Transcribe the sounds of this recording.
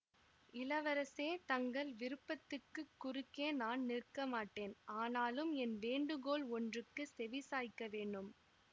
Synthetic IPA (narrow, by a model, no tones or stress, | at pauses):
ɪlɐʋɐɾɐseːt̪ɐŋɡɐɭʋɪɾɯpːɐt̪ːɯkːɯkːʊɾɯkːeːnaːnnɪrkɐmaːʈːeːnaːnaːlɯmɛnʋeːɳɖɯɣoːɭɔndrɯkːɯsɛʋɪsaːjkːɐʋeːɳɖɯm